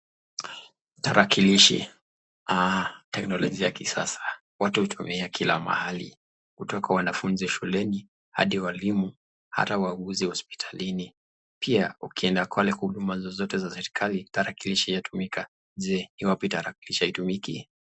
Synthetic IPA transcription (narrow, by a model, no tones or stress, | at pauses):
taɾakiliʃḭ | atɛknɔlɔʄijakisa̰sḁ | watuut͡ʃumɛakʰila̰ma̰halḭ | kutɔkawanafunziʃulɛni | ha̰ɗiwalimu | ha̰tauaɠuzihɔspi̥tʰalini | pʰiaukiɛndakwalɛhuɗumazɔzɔtɛzasɛɾikʰalitaɾakiliʃijatumikʰa | zɛniwapitaɾakiliʃiaitumiki